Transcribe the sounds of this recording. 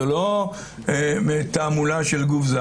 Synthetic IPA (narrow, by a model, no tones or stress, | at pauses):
elo | met̪aːmulaʃelɡufza